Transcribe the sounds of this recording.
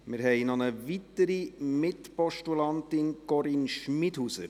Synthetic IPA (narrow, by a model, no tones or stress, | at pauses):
mɪɾɦɛɪnɔnəvitəɾimɪtpɔʃtulɑnt̪ɪnɡ̥ɔɾinʃmɪdhusə̰